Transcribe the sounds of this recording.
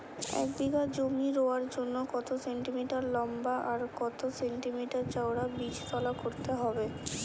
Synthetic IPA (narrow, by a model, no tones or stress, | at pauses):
ɛ̰k̚d̪ikad͡ʑomiɾoaɾd͡ʑonːokɔt̪oseɳʈimiʈaɾlɔmbaʔaɾkɔt̪oseɳʈimiʈaɾt͡ɕaoɽabit͡ɕt̪ɔlakoɾt̪eɦɔbe